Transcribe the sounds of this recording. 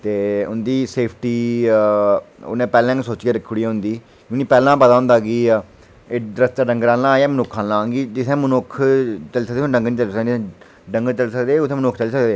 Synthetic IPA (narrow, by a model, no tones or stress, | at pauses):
t̪eːʊnd̪iːseːpʰʈiː | ʊ̰nẽːpɛːlɛ̃ːsoːt͡ʃkaːɾəkʰːʊɽiːaːɦʊ̃nd̪iː | kːniːpɛːlãːpət̪aːʊ̃nd̪aːɡiː | eːd̪ɾəst̪aːɖə̃ŋɡɾãːlãːɛːmənʊkʰːãːlãːɡiːd͡ʒɪt̪ʰɛ̃ːmənʊkʰt͡ʃəlːsəkd̪ẽːɖə̃ŋɡnĩːt͡ʃəlsəkː | ɖəŋɡt͡ʃəlsəkd̪eːʊt̪ʰẽːmənʊkʰt͡ʃəliːsəkd̪eː